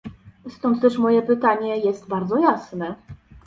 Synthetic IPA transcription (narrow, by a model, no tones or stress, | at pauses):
st̪ɔnt̪t̪ɛʂmɔjɛpɘt̪aɲɛjɛst̪baɾd̪zɔjasnɛ